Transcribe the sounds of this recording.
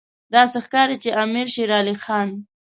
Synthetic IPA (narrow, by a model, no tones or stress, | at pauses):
d̪ɑsexkɑɾit͡ʃeʔamiɾʃiɾɑlixɑn